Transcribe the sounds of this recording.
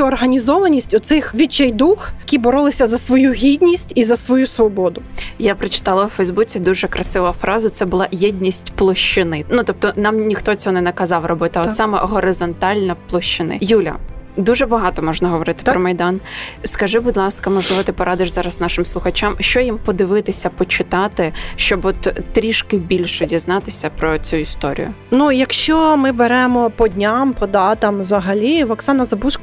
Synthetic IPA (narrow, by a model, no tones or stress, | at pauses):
ʊɔrɦɐnʲizɔʋɐnʲisʲtʲʊt̪sɪxʋʲit͡ʃːɛjd̪uxɐkʲibɔɾɔlˠɪsʲɐzɐsʋɔjuɦʲid̪ʲnʲisʲtʲizɐsʋɔjusʋɔbɔd̪ʊjapɾɐt͡ʃɪ̥t̪ɑlˠɐwfɛjzbut͡sʲid̪uʒɛkɾʔɐsɪʋʊʊfɾʔɑzʊt̪sɛbʊlˠɑjɛdʲnʲisʲtʲplˠɔʃt͡ʃɪnɪnut̪ɔp̚t̪ɔnɑmnʲixt̪ɔɔt͡sʲɔɦɔnɛnɐkɐzɑwrɔbɪt̪ɐɔsɑmɛ̰ɦɔɾɪzɔnt̪ɑlʲnɐplˠɔʃt͡ʃɪnɪ̰julʲɐ̰d̪uʒɛbɐɦɑt̪ɔmɔʒnɐɦɔʋɔɾɪt̪ɪ̥pɾɔmɐjd̪ɑnskɐʒɪbud̪lˠɑskɐmɔʒlˠɪʋɐt̪ɪpɔɾʔɑd̪ɪʃzɑɾɐsnɑʃɪmslˠʊxɐt͡ʃamʃt͡ʃɔjimpɔd̪ɪʋɪt̪ɪsʲɐpɔt͡ʃɪt̪ɑt̪ɪʃt͡ʃɔbɔt̪ːɾʲiʃkɪbʲilʲʃɛdʲiznɑt̪ɪsʲɐpɾɔt͡sʲujist̪ɔ̰ɾʲḭjʊ̰ | nujɐkʃt͡ʃɔmɪbeɾɛmɔpɔdʲnʲampɔd̪ɑt̪ɐmzɐɦɐlʲiʋɐksɑnɐzɐbuʃk